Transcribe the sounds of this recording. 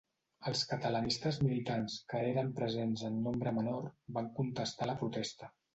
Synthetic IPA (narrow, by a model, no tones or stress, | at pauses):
əlˠskət̪ələnist̪əzmilit̪anskəeɾəmpɾəzenzənːombɾəmənorbaŋkunt̪əst̪aləpɾut̪ɛst̪ə